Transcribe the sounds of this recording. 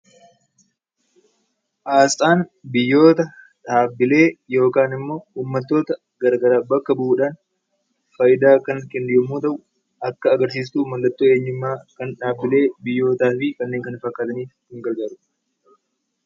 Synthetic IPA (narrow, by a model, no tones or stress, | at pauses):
ʔaːst̪ʼaːnbɪjːo̞ːt̪ɐ | ᶑaːbːɪle̞ːjo̞ːkaːnɪmːo̞ːhuːmːɐt̪ːo̞ːt̪ɐ | ɡ̥ɐɾɡɐɾaːbɐkːɐbuuːᶑaːn | fɐjɪd̪aːkɐŋkɛnd̪ɪːɐmuːt̪ɐʔʊ | ʔɐkːɐːɡɐɾs̬iːs̬t̪uːmɐlːɐt̪ʼːuːe̞ːɲːɪmːaːkɐnᶑaːbːɪle̞ːbɪjːo̞ːt̪aːfɪkɐnːe̞ːŋkɐnfɐkːaːt̪ɐniːfhɪŋɡɐɾɡɐɾʊ̥